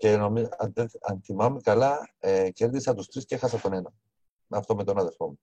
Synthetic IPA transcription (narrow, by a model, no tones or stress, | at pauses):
cenomiɐðeɐnθimɐmekɐlɐceɾðisɐt̪ust̪ɾiscexɐsɐt̪onenɐ | ɐft̪omet̪onɐðeɾfomu